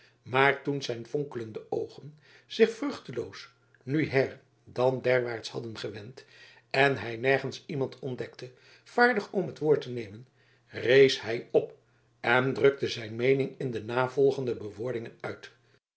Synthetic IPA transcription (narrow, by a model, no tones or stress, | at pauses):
maːɹtunzɛjnfɔŋkələndəʔowχən | z̥ɪχfrɵχtəlows | nyɦɛɹ | dɑndɛɹʋaːɹtshɑ̰dənχəʋɛnt | ɛnɦɛjnɛɹχənsimɑntʰɔndɛktə | v̥aːɹdəχɔmɦətʋʊːɹtənejmən | rejshɛjɔp | ɛndrɵk̚təzɛjnmejnɪŋɪndənaːvɔlˠχəndəbəʋʊːɹdɪŋənœɥt